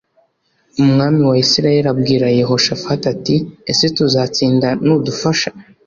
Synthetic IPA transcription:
umŋaːmiwaisiɾaje̞ɾab̚ɡiːɾajeɦo̞ʃafhatatiesetuzat͡siːndanudufaʃḁ

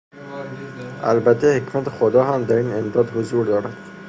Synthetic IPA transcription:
a̰lbæt̪ʰehekmat̪ɪxod̪ɒɦamd̪æɾinemd̪ɒd̪hʊzuɾd̪ɒːɾad̪̥

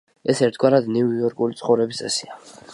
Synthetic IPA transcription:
ɛsɛɾt̪ʰɡwaɾad̪niujɔɾkʼulit̪sʰχɔvɾɛbist̪ʼɛsia

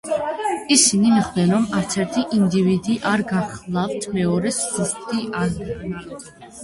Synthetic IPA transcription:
isinimiχwd̪ɛɾɔmaɾt̪sʰɛɾt̪ʰiʔind̪ivid̪iʔaɾɡaχlˠaft̪ʰmɛɔɾɛszust̪ʼiʔan

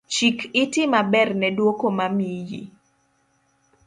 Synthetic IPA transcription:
t͡ʃikɪtɪmabɛrnɛdwokomamijḭ

